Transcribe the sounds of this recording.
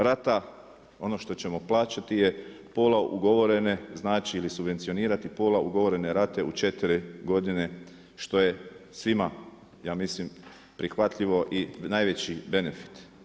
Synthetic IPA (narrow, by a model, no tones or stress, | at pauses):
ɾat̪a | o̞no̞ʃt̪o̞t͡ɕe̞mo̞plˠaːt͡ɕat̪ije̞ | poːlaʔṵɡo̞ʋo̞ɾe̞ne̞znaːt͡ʃiːlisubʋent̪sio̞niːɾat̪ipo̞ːlaʔuɡo̞ʋo̞ɾe̞ne̞ɾat̪e̞ut͡ʃe̞t̪iɾiɡo̞d̪ine̞ | ʃt̪o̞je̞sʋima | jaːmislim | pɾixʋat̪ʎiʋo̞ʔinaːjʋe̞t͡ɕibe̞nefi̥t̪